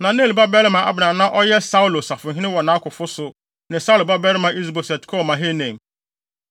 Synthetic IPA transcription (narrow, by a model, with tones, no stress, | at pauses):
nã˨nẽ˦˨lba˦bɛ˦lɪ˦mã˨ʔa̰˨bnã˨nã˦ʔɔ˦jɛ˦sa˦u˦lo˨sa˨fʊ˨ɦɪ̃˦nɪ̃˦wɔ˨nã˨˦kʰʊ˨fʊ˦sʊ˨ | nɪ̃˨sa˦u˦lo˨ba˦bɛ˦ɾɪ˦mã˨i˦s̬bɔ˨sɛ˨tkʰɔ˦˨mã˨ɦe˦nẽ˨m